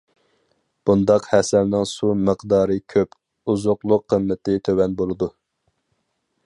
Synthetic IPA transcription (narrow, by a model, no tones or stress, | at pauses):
b̥und̪ɑqhɛsælnɪŋsuməqd̪ɑːɾɨkʲʰøp | uzʊqlˠʊqʰːəmːɪt̪ɪt̪ʰøwɛnbolˠɨd̪u